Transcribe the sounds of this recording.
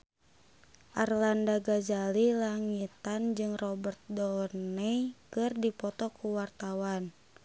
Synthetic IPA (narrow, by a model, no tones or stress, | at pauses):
ʔarlandaɡad͡ʒalilaŋit̪and͡ʒɨŋrɔbərt̪̚dɔlnɛkɨrdipɔt̪ɔkʰuwart̪awan